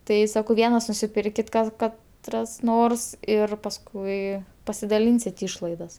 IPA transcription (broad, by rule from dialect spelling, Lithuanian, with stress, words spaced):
ˈtɐɪ ˈsɑːkɐʊ ˈʋʲiɛnɐs nʊsʲɪˈpʲɪrʲkʲɪt ˈkɐs ˈkɐt ˈrɐs ˈnoːrs ɪr pɐsˈkʊɪ pɐsʲɪdɐˈlʲiːnʲsʲɪtʲ ˈiːʃlˠɐɪdɐs